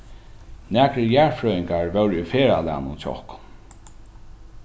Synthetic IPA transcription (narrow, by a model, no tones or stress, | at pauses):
næːkɾəjæɹfɹœːɪŋkaɹʋɛwɾufeːɹa̰lɛ̰ːnʊ̰nt͡ʃʰɔ̰hkʊ̥n